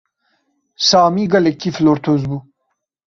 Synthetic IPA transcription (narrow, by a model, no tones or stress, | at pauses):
saːmiɡɐlekːifloːɾt̪ʰozbu